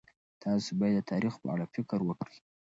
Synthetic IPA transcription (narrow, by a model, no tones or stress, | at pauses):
t̪ʰɑsobɑjad̪ːət̪ʰɑɾixpə̰a̰ɽafɪkɾwəkɽi